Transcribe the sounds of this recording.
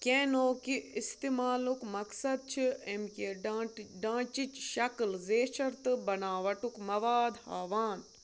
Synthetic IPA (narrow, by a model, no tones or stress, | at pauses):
kẽːnoːkiist̪emaːlukmɐksɐd̪̚t͡ʃʰiemkeːɖːɖãːt͡ʃit͡ʃʃɐklzeːʃɐɾt̪ɨbɐnaːʋɐʈukmɐʋaːd̪ha̰ːʋaːn